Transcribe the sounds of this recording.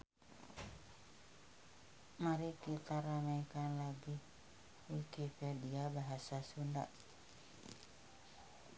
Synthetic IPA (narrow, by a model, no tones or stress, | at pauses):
maɾikit̪aɾamajkanlaɡi | wikipediabaɦasasunda̰ʔ